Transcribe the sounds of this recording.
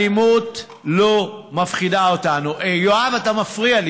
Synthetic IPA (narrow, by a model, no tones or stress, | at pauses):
imut | lomafχidaotanuʔejoavatamafʁial